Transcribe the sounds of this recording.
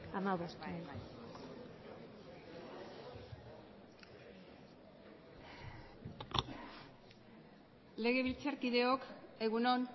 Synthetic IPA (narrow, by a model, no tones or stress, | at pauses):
amawβast̪u | le̞ɣe̞βilt͡saɾkiðe̞oke̞ɣunon